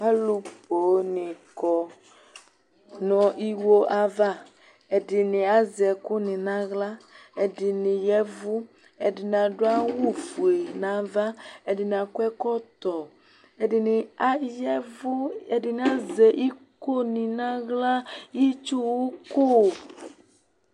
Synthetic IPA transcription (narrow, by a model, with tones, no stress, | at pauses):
a˦lu˨˦po˨˦nɪ̃˨kɔ˨ | nɔ̃˨ʔi˦wo˦ʔa˨va˦ | ɛ˨dɪ˨nɪ̃˨a˦zɛ˨kʊ˦nɪ̃˨nã˦ɣla˦ɛ˨dɪ˨nɪ̃˨jɛ˦vʊ˦ | ɛ˨dɪ˨nã˨ɖʊ˦a˦wu˦fu˨e˨nã˨˦va˦ɛ˨dɪ˨n˨ã˨kʊ˦ɛ˦kɔ˦t̪ɔ˨ | ɛ˨dɪ˨nɪ˨a˦jɛ˦vʊ˦ɛ˨dɪ˨nɪ˨a˦zɛ˨ʔi˦ko˦nɪ̃˨nã˦ɣla˦ji˦t͡ʃu˦wu˦ko˦